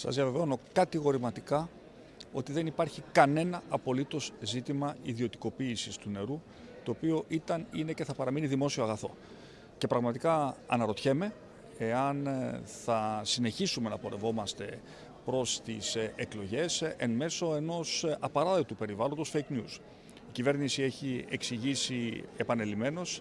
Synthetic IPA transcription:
sɐ̰zðiɐve̞veo̞no̞kɐt̪iɣo̞ɾimɐt̪ikɐ | o̞t̪iðe̞nipɐɾçikɐne̞nɐɐpo̞lit̪o̞zzit̪imɐiðio̞t̪i̥ko̞piːsist̪une̞ɾu | t̪o̞ːpio̞ʔit̪ɐnine̞ce̞θɐpɐɾɐminiðimo̞sio̞ɐɣɐθo̞̰ | ce̞pɾɐɣmɐt̪ikɐɐ̰nɐɾo̞t̪çe̞me̞ | e̞ɐnθɐsine̞çisume̞nɐpo̞ɾe̞vo̞mɐst̪e̞ | pɾo̞st̪iseklo̞ʝe̞se̞nme̞so̞e̞no̞sɐpɐɾɐðet̪upe̞ɾivɐlo̞nd̪osfejknjus | icive̞ɾnisie̞çie̞ksiʝisie̞pɐne̞lime̞no̞s

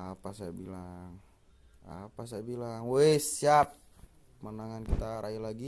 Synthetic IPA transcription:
apasaabilaŋ | a̰pas̬ajbilaŋwɛsiap̚ | manaŋankit̪aɾajalaɡi

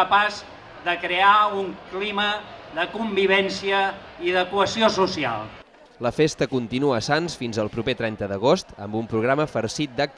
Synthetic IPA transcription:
əpaz | ðəkɾeauŋkliməðəkumbiβ̞ɛnsiəiðəkwəsiosusia̰lˠ | ləfest̪əkunt̪inuəːsansfinzəlˠpɾupet̪ɾɛnt̪əðəɣ̞ost̪əmbumpɾuɣ̞ɾaməfəɾsit̪̚d̪ək̚t̪

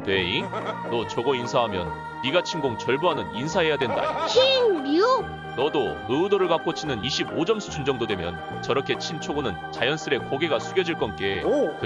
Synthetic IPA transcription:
ne̞inʌt͡ɕʌɡʌinsʰaɦamjʌ̰nː | iɡat͡ɕʰimɡoŋt͡ɕʌɭboɦanɯninsʰaɦe̞jadwe̞nda̰o̰t͡ɕʰinu | nʌdo | ɯudoɾɯɭkak͈ot͡ɕʰinɯniɕʰibod͡ʑʌmsʰu̥t͡ɕʰund͡ʑʌŋdodwe̞mjʌ̰n | t͡ɕʌɾʌkʰe̞t͡ɕʰint͡ɕʰoɡonɯnt͡ɕajʌns͈ɯɾe̞koɡe̞ɡasʰuɡjʌd͡ʑiɭk͈ʌnk͈e̞

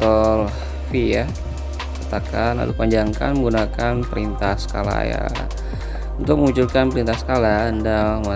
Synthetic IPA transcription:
t̪ɔl | fija | kat̪akana̰lupaɲd͡ʒaŋkanməŋɡunakanpəɾint̪ahsə̥ka̰la̰ja̰ | unt̪ʊk̚məmuɲt͡ʃulkanpəɾint̪asə̥kalaəndama

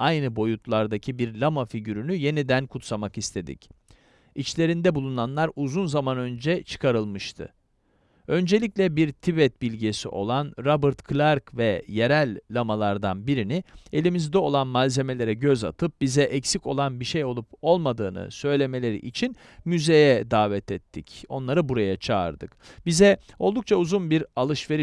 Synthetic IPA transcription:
ajnɯbo̞jut̪ʰlˠaɾd̪acʰibiɾlʲamafiɟyɾynyje̞nid̪ænkʰut̪samakist̪ʰe̞d̪ḭc | it͡ʃlʲe̞ɾind̪ɛbulˠunanlˠaɾuzunzamanø̞nd͡ʒɛt͡ʃʰɯ̥kʰaɾɯlˠmɯʃt̪ʰɯ̰ | ø̞nd͡ʒe̞lʲiclʲɛbiɾt̪ʰibɛt̪̚bilʲɟesḭʔo̞̰lˠanɾabɯɾt̪kʰlʲaɾkvɛje̞ɾælʲːamalˠaɾd̪anbiɾinie̞lʲimizd̪ɛo̞lˠanmalʲze̞me̞lʲe̞ɾɛɟøza̰t̪ʰɯp̚bizɛʔɛcsico̞lˠanbiʃejo̞lˠupo̞lˠmad̪ɯːnɯ̰sø̞jlʲe̞me̞lʲe̞ɾḭʔit͡ʃʰin | myze̞jɛd̪aːvɛt̪ʰɛt̪ʰːico̞nlˠaɾɯbuɾajat͡ʃʰa̰ːɾd̪ɯkb̥izɛ | o̞lˠd̪uk̚t͡ʃʰauzunbiɾalˠɯʃve̞ɾi

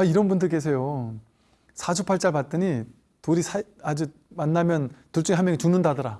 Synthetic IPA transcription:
aiɾʌnbundɯɭk͈e̞sʰe̞jo | sʰat͡ɕʰupʰaɭt͡ɕ͈aɭpat̚t͈ɯɲi | toɾisʰa | ad͡ʑu | manːamjʌntuɭt͡ɕ͈uŋeɦamjʌŋit͡ɕuŋnɯndadɯɾa

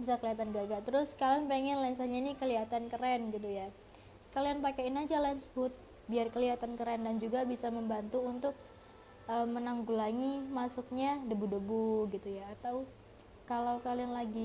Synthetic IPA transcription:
bisakəliat̪anɡaɡat̪əɾʊskalanpeŋɛnlaɪnsaɲainikəliɦat̪ankəɾɛnɡit̪̬uja | kalianpakɛinad͡ʒalaɪnshʊt̪̚ | biarkəliɦat̪ankəɾɛndand͡ʒuɡabisaməmbant̪uunt̪ʊk̚ | ʔəmənaŋɡulaŋimasuk̚ɲadəbudəbuɡit̪ujaːt̪aw | kalawkalianlaɡi

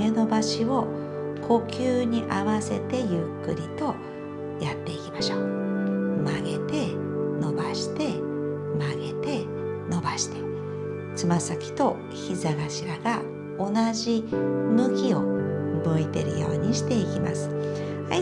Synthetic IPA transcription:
e̞no̞baɕio̞ | kʰo̞kʲɨːɲ̟iʔaβase̞t̪e̞jɯ̟kːɯɾʲit̪o̞ | jat̪ːe̞ikʲi̥maɕoː | maɡe̞t̪e̞no̞baɕi̥t̪e̞maɡe̞t̪e̞ | no̞baɕi̥t̪e̥ | t͡sɨmasakʲi̥t̪o̞ | çizaɡaɕiɾaɡa | o̞naʑimɯ̟kʲio̞mɯit̪e̞̰ɾɯ̟jo̞̰ːɲ̟iɕi̥t̪e̞ikʲima̰sɨ̥ | hai

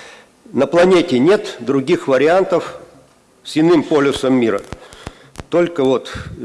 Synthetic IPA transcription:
nəplˠɐnʲetʲɪnʲe̞t̪d̪ɾʊɡʲixvəɾʲɪant̪əf | sʲɪnɨmpolʲʊsəmːʲiɾə̰ | t̪o̞lʲkəvot̪

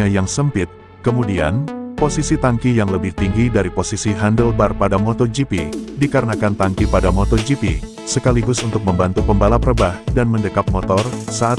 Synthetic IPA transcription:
ajaŋsəmpɪt̪̚ | kəmudia̰nposisit̪aŋkijaŋləbɪht̪iŋɡidaɾiposisiɦandəlbarpadamɔt̪ɔd͡ʒipidikaɾənakant̪aŋkipadamɔt̪ɔd͡ʒipi | səkaliɡʊsunt̪ʊk̚məmbant̪upəmbalapəɾəbahdanməndəkap̚mɔt̪ɔrsaʔt̪

